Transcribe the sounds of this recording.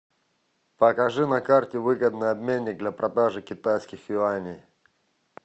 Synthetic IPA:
pɐkɐʐɨnɐkartʲɪvɨɡəd̪nɨjɐbmʲenʲːɪk̚d̪lʲapɾʔɐd̪aʐɨkʲɪt̪ajskʲɪxjʊanʲɪj

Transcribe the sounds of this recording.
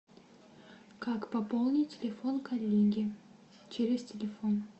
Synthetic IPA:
kakpɐpolˠnʲɪtʲːɪlʲɪfo̞nkɐlʲːeɡʲiɪ | t͡ʃʰeɾʲɪstʲɪlʲɪfo̞n

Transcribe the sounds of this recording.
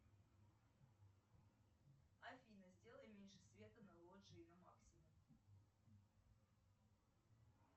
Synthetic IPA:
ɐfʲinəzʲdʲe̞lˠəjəmʲenʲʂɨsvʲe̞t̪ənɐlˠoʐɨinɐma̰ksʲɪmum

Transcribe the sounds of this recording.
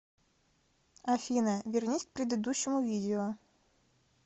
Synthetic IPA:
ɐfʲinɐvʲɪrnʲisʲk̚pɾʲɪd̪ɨd̪uɕːɪmʊvʲidʲɪɔ

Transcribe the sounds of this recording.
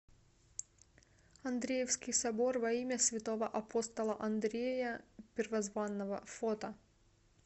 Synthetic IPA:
ɐnd̪ɾʲejɛwsʲkʲɪjsɐbɔɾʋɐimʲɛsʲʋʲɪt̪ɔʋɐʔɐpʰɔst̪ɐlˠɐʔɐnd̪ɾʲejɛpʲɪɾʋɐzʋɑnːɐʋɐ̰fɔt̪ɐ

